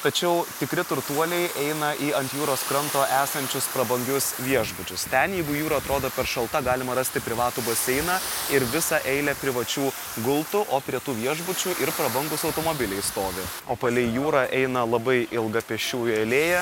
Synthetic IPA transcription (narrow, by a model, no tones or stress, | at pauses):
t̪ɐt͡ʃʲɛʊt̪ʲɪkɾʲɪt̪ʊɾt̪uɔlʲɛɪʔɛɪnɐʔiɐnt̪ʲjuːɾoːskɾɐnt̪oːʔæːsɐnʲt͡ʃʲʊspɾɐbɐŋɡʲʊsʋʲiɛʒbʊt͡ʃʲʊst̪ʲɛnjɛɪɡʊjuːɾɐɐt̪ɾoːd̪oːpʲɛɾʃɐlˠt̪ɐɡɑːlʲɪmɐɾɐsʲt̪ʲɪpʲɾʲɪʋɑːt̪uːbosʲɛɪnɑɪɾʋʲɪsɑʔɛɪlʲɛpʲɾʲɪʋɐt͡ʃʲuː | ɡʊlˠt̪ʊʔoːpʲɾʲiɛt̪uːʋʲiɛʒbʊt͡ʃʲʊʔɪɾpɾɐbɐŋɡʊsɒʊt̪oːmoːbʲɪlʲɛɪst̪oːʋʲɪ | oːpɐlʲɪɪjuːɾɑːʔɛɪnɐlˠɐbɐɪɪlˠɡɐpʲɛʃʲuːjɐlʲeːjɛ